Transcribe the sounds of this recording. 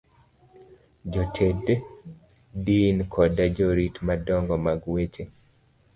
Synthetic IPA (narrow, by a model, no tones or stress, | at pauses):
d͡ʒotʰed | dinkʰɔdad͡ʒɔɾitmadɔŋɡɔmaɡwet͡ʃe